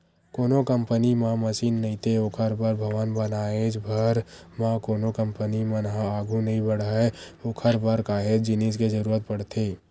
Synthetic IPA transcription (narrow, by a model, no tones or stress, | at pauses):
koːnokə̃mpənimãməʃiːnːɐɦĩt̪ʰeokʰəɾbəɾbʱəʋənbənaːed͡ʒbʱəɾ | mãkoːnokə̃mpənimənɦaaːɡʱunɐɦĩbəɽɛokʰəɾbəɾkaːɦed͡ʒɪnisked͡ʒəɾuːɾət̪̚pəɽt̪ʰeː